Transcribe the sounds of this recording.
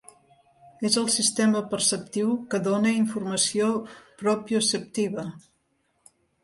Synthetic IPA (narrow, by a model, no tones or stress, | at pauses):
ezəlˠsist̪eməpərsəp̚t̪iwkəðonəiɱfurməsiopɾɔpisəp̚t̪iβə